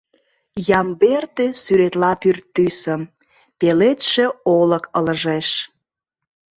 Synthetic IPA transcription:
jɑmbert̪esyɾet̪lɑpyrt̪ːysəm | pelet̪ʃeoləkələʒeʃ

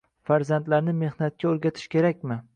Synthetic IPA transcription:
faɾzant̪laɾnɪme̞hnat̪̚kʲʰaoɾɡʲat̪ʰɪ̥ʃkʲe̞ɾakʲmɪ

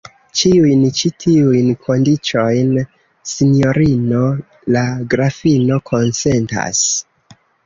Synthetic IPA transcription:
t͡ʃiujnt͡ʃitʰiujnkʰo̞ndit͡ʃo̞jn | sino̞ɾino̞ | laɡɾafino̞kʰo̞nse̞nta̰s

